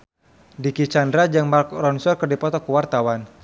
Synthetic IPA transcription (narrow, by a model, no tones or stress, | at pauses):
dikit͡ʃandɾad͡ʒaŋmarkrɔnsɔrkərdipɔt̪ɔkuwart̪awan